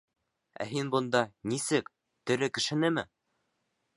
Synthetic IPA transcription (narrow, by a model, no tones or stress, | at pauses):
æ̰ɦinbɤ̆nd̪ɑnisɘk | t̪ɵ̆ɾɘkɘ̆ʃɘ̆nɘmɘ